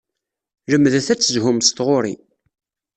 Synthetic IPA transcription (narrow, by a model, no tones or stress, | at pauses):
ləmːðæθæt͡sːəzɦʊmst̪ʁʊɾḭ